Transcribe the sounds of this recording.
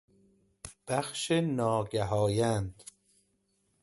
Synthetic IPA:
b̥æxʃenɒːɡæɦɒːjænd̪̥

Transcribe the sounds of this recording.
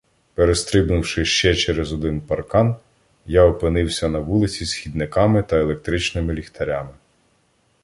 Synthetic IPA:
peɾest̪ɾɪbnʊwʃɪʃt͡ʃɛt͡ʃɛɾezɔd̪ɪnpɐrkɑn | jaɔpɪnɪwsʲɐnɐʋulˠɪt͡sʲisxʲid̪̚nɪkɑmɪt̪ɐelˠek̚t̪ɾɪt͡ʃnɪmɪlʲixt̪ɐɾʲamɪ

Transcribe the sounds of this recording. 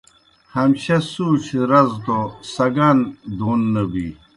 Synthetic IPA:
hɐmɕɐsuːt͡ɕʰɾɐzt̪osɐɡand̪uːnːɐbḭ

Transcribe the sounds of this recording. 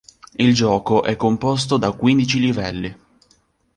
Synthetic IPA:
ild͡ʒɔːkoʔɛkːompos̬t̪od̪akwind̪it͡ʃilivɛlːi

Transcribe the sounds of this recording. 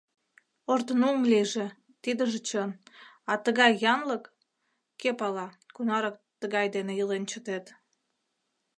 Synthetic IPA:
ort̪ənuŋliʒe | t̪id̪əʒet͡ɕən | ɑt̪əɣɑjːɑnləkː | epɑlɑ | kunɑɾɑk̚t̪əɣɑjd̪eneəlent͡ɕət̪et̪

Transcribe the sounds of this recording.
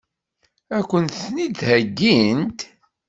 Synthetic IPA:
ækʷːənt̪θnid̪hæɡːint̪

